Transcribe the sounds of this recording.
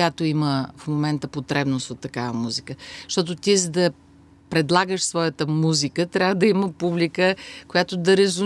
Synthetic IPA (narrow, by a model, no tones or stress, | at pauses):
jat̪oiməfmomɛnt̪əpot̪ɾɛbnosot̪ːɐkavəmuzikəʃt̪ɔt̪̬ot̪izəd̪ɐ | pɾɛd̪lˠaɡəʃsvɔjət̪əmuzikət̪ɾʲjavəd̪ɐiməpublikəkojat̪od̪ɐɾɛzu